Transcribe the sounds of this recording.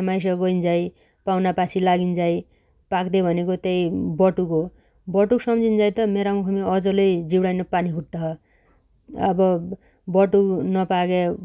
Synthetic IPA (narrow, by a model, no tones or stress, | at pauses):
majs̬ʌɡʌind͡zaj | pawnapat͡sʰilaɡind͡zaj | pakd̪ebʱʌnekot̪ejbʌʈuko | bʌʈuksʌmd͡zʱind͡zajt̪ʌmeɾamukʰʌmiʌd͡zʌlʌjd͡ziwɽajnʌpaniɦuʈdʌɦʌ | ʌ̰bʌ | bʌʈuknʌpaɡe